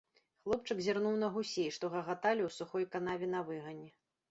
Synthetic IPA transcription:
xlˠɔp̚t͡ʂɨkzʲirnuwn̪ɐɣusʲejʂt̪ɔɣɐɣat̪alʲiwsuxɔjkanavʲɛnɐvɨɣɐnʲɛ

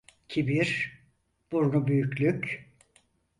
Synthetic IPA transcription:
cʰibiɾ | b̥uɾnubyjycʲlʲyc

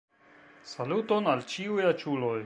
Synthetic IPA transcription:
salutonalt͡ʃiujat͡ʃuloj

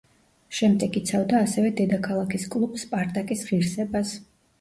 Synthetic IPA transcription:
ʃɛmd̪ɛɡit̪sʰavd̪aːsɛvɛd̪ɛd̪akʰalˠakʰiskʼlˠubspʼaɾt̪ʼakʼisʁiɾsɛbas

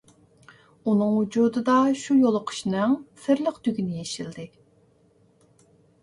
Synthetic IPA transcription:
unɨŋwud͡ʒud̪ɨd̪ɑʃujolˠʊqʰə̥ʃnɨŋsɪɾləqt̪yɡʲinɪjeʃild̪ɪ

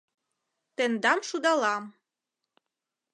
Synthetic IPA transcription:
t̪end̪ɑmʃud̪ɑlɑm

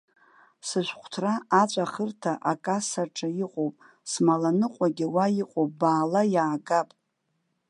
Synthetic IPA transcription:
sɨʃʷqʷʰtʰraat͡ɕʷʼaχərtʰaʔakʼasaʈ͡ʂʰʼajiqʷʼowpʼ | smalanɨqʷʼaɡʲiwajiqʷʼowpʼbaːlajaːɡapʼ

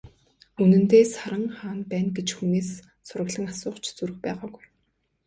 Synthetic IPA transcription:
unɘ̆nt̪eːsaɾə̆ŋχaːnpæːnɡet͡ɕxuneːs | sʊɾə̆ɣɮə̆ŋasʊːχt͡ɕʰt͡suɾɘ̆xpæːʁaːɡuj

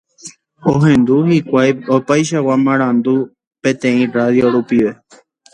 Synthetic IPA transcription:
oɦẽ̞nd̪uhikʷajopajʃ̬awamãɾ̃ãnd̪u | pẽ̞t̪ẽ̞ĩraðjoɾupiʋe̞

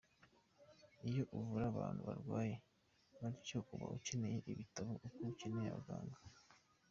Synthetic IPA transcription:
ijo̞ʔuvuɾaβaːn̥huβa̰ɾɡwaːje̞ | βaɾicokuβa̰ʔut͡ʃenejeʔiβitaβoʔukuut͡ʃeneja̰βɡaːŋɡa

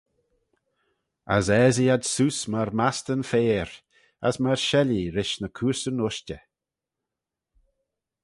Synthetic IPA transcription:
a̰zɛːziad̪susmaɹmast̪ənfeːɹ | a̰smaɹʃɛliɾɪʃnəkʰuːɹsənʊʃtʲə

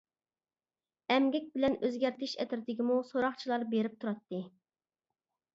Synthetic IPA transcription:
ɛmɡʲɛk̚ʲbɪlɛnøzɡʲɛɾt̪ʰɪʃɛt̪ɾt̪ɪkʲimusoɾɑχt͡ʃʰilˠɑɾbeɾɪp̚t̪ʰuɾɑt̪ːɨ

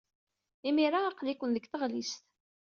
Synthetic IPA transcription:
imiɾaːqlikʷːənðəɡθəʁlist̪

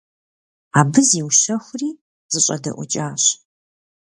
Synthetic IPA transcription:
aːbɨziwʃɐxʷʊriː | z̥ɨɕʼɐ̰dɐ̰ʔʷʊ̰t͡ʃʼaːɕ

